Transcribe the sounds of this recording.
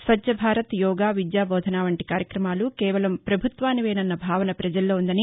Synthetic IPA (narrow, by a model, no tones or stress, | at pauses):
sʋɐtd͡ʒɐbʱaːɾɐt̪jɔːɡaːʋid̪jaːbɔːd̪ʱɐnaːʋɐɳʈikaːɾjɐkɾɐmaːlukɛːʋɐlɐmpɾɐbʱut̪ʋaːniʋeːnɐnːɐbʱaːʋɐnɐpɾɐd͡ʒɐlːo̞ːund̪ɐni